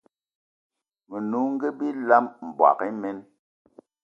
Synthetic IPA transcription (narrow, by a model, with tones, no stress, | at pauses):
mə˨nu˨˦ŋ̩˦ɡe˦bi˦la˦mm̩˨bwa̰˨ki˦mɛ˦n